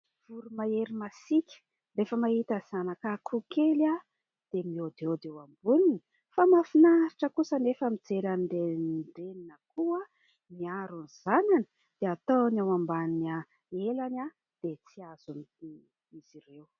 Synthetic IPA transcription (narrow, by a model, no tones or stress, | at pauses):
v̥uɾumaeɾimasikʲə̥ | refəmaɦit̪az̥anakakʰukela | d̪̥emiod̪od̪ewambunini | famafinaɾiʈ͡ʂəkusənefəmid͡zeɾanɖ͡ʐeɖ͡ʐeninəkua | miaɾunz̥ananə̥ | d̪̥eat̪onawambana | elana | d̪̥et͡siaz̥un | iziɾew